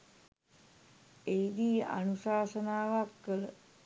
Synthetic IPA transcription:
eid̪iːa̰nusaːsənaːʋakːələ

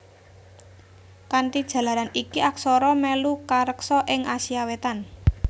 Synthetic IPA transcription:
kant̪id̥ʒ̥ä̤laɾanikiʔaksɔɾɔmɛlukaɾəksɔʔɪŋasiawet̪an

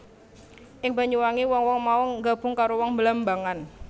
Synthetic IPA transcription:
ʔɪŋbaɲuwaŋiwɔŋwɔŋmauŋɡab̥ʊ̤ŋkaɾowɔŋbəlambaŋan

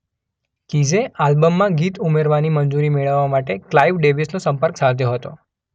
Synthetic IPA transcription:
kid͡ʒealbəmːãɡit̪umeɾʋanimənd͡ʒuɾimeɭəʋːamaʈeklaiʋɖebisnosəmpəɾksad̪ʰʱjoɦət̪o

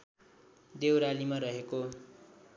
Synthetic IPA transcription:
d̪ewɾalimaɾʌɦeko

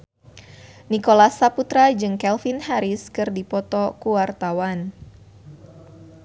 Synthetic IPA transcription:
nikolasaput̪ɾad͡ʒɨŋkɛlfinhaɾiskɨrdipɔt̪ɔkuwart̪awan

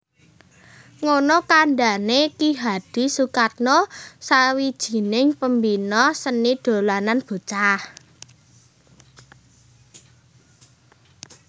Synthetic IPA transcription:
ŋonɔkaɳɖanekiɦad̪̥i̤sukat̪̚nɔsawid̥ʒ̥i̤nɪŋpəmbinɔsənid̪̥o̤lananb̥o̤t͡ʃah

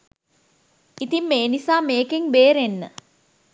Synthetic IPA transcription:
it̪imːeːnisaːmeːkeŋbeːɾenːə̰

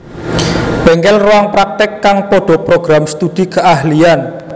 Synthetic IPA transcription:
b̥ɛ̤ŋkɛlrowaŋpɾak̚t̪ɪkːaŋpɔɖ̥ɔ̤pɾoɡ̥ɾamst̪ud̪̥i̤kəahlian

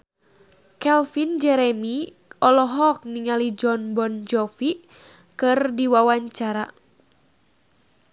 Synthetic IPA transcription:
kɛlfind͡ʒɛɾɛmi | ɔlɔɦɔk̚niŋalid͡ʒɔnbɔnd͡ʒɔfi | kɨrdiwawaɲt͡ʃaɾa

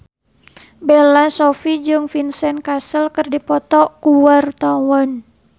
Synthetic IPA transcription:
belasofid͡ʒɨŋfinsɛnkasəlkərdipɔt̪ɔkuwart̪ɔwɔn

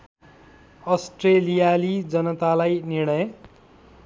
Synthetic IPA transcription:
ʌsʈrelijalid͡zʌnʌt̪alajnirɽ̃ʌj

